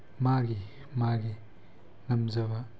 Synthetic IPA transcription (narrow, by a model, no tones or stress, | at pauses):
maɡi | maɡi | ŋɐmzɐbɐ